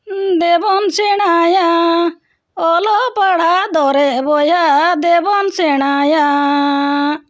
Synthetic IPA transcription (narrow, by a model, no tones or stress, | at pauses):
d̪ɛbɔnsɛɽ̃aja | ɔlɔpaɽ̤ad̪ɔɾɛbɔjad̪ɛbɔnsɛɽ̃aja